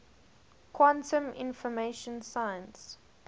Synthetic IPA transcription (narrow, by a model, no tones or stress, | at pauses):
kʰwãntʰə̃mɪ̰̃nfɔmeʃə̃nsajə̃ns